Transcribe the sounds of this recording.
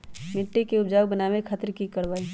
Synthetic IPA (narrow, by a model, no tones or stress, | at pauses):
mɪʈːikeʊpd͡ʒaːwbənaːwekʰaːt̪ɾkikəɾbaːi